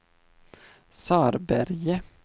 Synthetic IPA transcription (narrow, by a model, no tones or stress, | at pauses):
sɑːɾbæɾjə